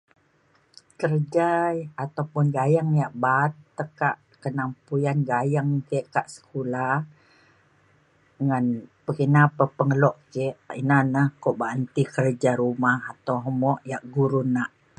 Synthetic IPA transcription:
kərd͡ʒajat̪awpʊnɡajaŋjaʔbat̪ːəkaʔ | kənampujanɡajaŋkəʔkaʔsə̥kulah | ŋanpəkənapəpəŋəlɔʔkeʔḭnanəhkɔʔbaʔnt̪ikərd͡ʒaɾumahat̪awɦəmɔʔjaʔɡuɾunaʔ

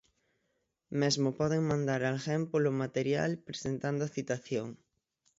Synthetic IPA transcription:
mezmʊpɔðeŋmãnd̪aɾalxɛmpolʊmat̪eɾja̰lpɾesent̪and̪ʊaθit̪aθjoŋ

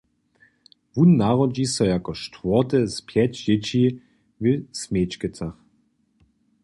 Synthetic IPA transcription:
vunːaʁɔd͡ʒisɔjakɔʃtvɔt̪ɛspʰjɛt͡ɕd͡ʑɪt͡ɕi | vɪsmeːt͡ʃkət͡sax

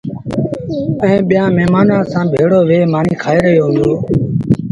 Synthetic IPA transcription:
əẽːɓɪjãːmɛːmaːnãːsãːbʱeːɽoːʋeːmaːniːkʰaːeːɾəjoːɦʊ̃nd̪oː

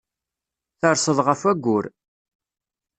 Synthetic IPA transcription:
θəɾsəðˤʁəfæɡʷːʊɾ

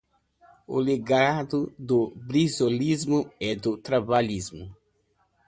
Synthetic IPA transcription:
ʊ̰leɡad̪ʊd̪ʊbɾizolizmʊɛd̪ʊt̪ɾabaʎizmʊ

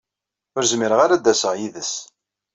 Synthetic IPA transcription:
ʊɾzmiɾəʁaɾad̪æsəʁjiðəs

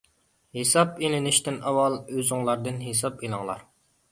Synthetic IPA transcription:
hesɑpelɪnɪʃt̪ɪnɑwɑlˠøzʊŋlˠɑɾd̪ɨnɦesɑpilˠɨŋlˠɑ̰ɾ

